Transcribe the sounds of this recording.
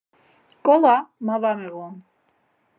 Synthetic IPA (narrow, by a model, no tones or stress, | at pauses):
kʼɔlamavamɛɣɔn